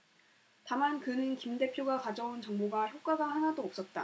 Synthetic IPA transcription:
tamankɯnɯnkimde̞pʰjoɡakad͡ʑʌunt͡ɕʌŋmoɡaçjok͈̚aɡahanadoːp̚s͈ʌt̚t͈a̰

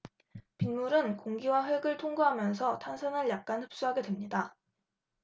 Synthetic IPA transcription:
pinmuɾɯnkoŋɡiwaɸweɡɯɭtʰoŋɡuɦamjʌnsʰʌtʰansʰʌnɯɭjak̚k͈anhɯp̚s͈uɦaɡe̞dwemɲida

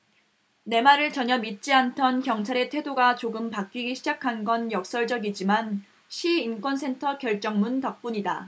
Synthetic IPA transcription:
ne̞maɾɯɭt͡ɕʌɲʌmit̚t͡ɕ͈iantʰʌnkjʌŋt͡ɕʰaɾe̞tʰwe̞doɡat͡ɕoɡɯmpak̚k͈iɡiɕʰid͡ʑakʰanɡʌnjʌk̚s͈ʌɭd͡ʑʌɡid͡ʑiman | ɕʰiːnk͈wʌnsʰe̞ntʰʌkjʌɭt͡ɕ͈ʌŋmuntʌk̚p͈uɲida

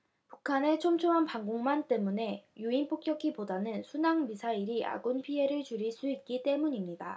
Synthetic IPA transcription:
pukʰane̞t͡ɕʰomt͡ɕʰoɦanpaŋɡoŋmant͈e̞mune̞juinp͈ʰok͈jʌkʰipodanɯnsʰunaŋmisʰaiɾiʔa̰ɡunpʰiɦe̞ɾɯɭt͡ɕuɾiɭs͈uit̚k͈it͈e̞muɲimɲida

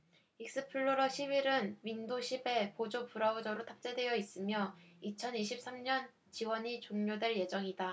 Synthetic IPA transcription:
ik̚s͈ɯpʰɯɭːoɾʌɕʰibiɾɯnɥindoɕʰibe̞pod͡ʑopuɾaud͡ʑʌɾotʰap̚t͡ɕ͈e̞dwe̞jʌis͈ɯmjʌit͡ɕʰʌniɕʰip̚s͈amɲʌn | t͡ɕiwʌɲit͡ɕoŋɲodwe̞ɭje̞d͡ʑʌŋida

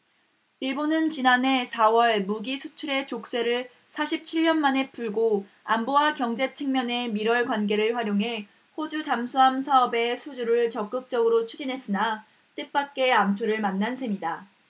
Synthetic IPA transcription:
iɭbonɯnt͡ɕinane̞sʰawʌɭmuɡisʰut͡ɕʰuɾe̞t͡ɕok̚s͈e̞ɾɯɭ | sʰaɕʰip̚t͡ɕʰiʎːʌnmane̞puɭɡo | ambowakjʌŋd͡ʑe̞t͡ɕʰeŋmjʌne̞miɾwʌɭkwanɡe̞ɾɯɭɸwaɾjoŋɦe̞ | ɸod͡ʑut͡ɕamsʰuams̬ʰaʌbe̞sʰud͡ʑuɾɯɭt͡ɕʌk͈ɯk̚t͡ɕ͈ʌɡɯɾot͡ɕʰud͡ʑinɦe̞s͈ɯna | t͈ep͈ak͈e̞amtʰoɾɯɭmanːansʰe̞mida

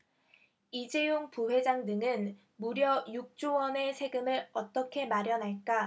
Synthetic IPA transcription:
id͡ʑe̞joŋpuɦwe̞d͡ʑaŋdɯŋɯn | muɾjʌjuk̚t͡ɕ͈uwʌne̞sʰe̞ɡɯmɯɾʌt͈ʌkʰe̞maɾjʌnɦaɭk͈a

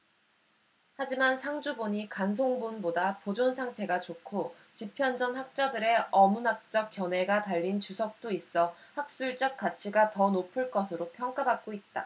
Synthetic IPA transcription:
had͡ʑimansʰaŋd͡ʑuboɲikans̬ʰoŋbunbodapod͡ʑonsʰaŋtʰe̞ɡat͡ɕokʰo | t͡ɕipʰjʌnd͡ʑʌnhak̚t͡ɕ͈ʌdɯɾe̞ʔʌmunak̚t͡ɕ͈ʌk̚k͈jʌne̞ɡataʎːint͡ɕusʰʌk̚t͈ois͈ʌhak̚s͈uɭt͡ɕ͈ʌk̚k͈at͡ɕʰiɡatʌnopʰɯɭk͈ʌsʰɯɾopʰjʌŋk͈abak̚k͈oit̚t͈a̰

